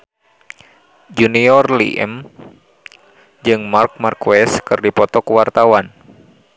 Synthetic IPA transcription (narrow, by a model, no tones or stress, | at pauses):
d͡ʒuniɔrlḭʔɛ̰m | d͡ʒɨŋmark̚markwɛskɨrdipɔt̪ɔkuwart̪awan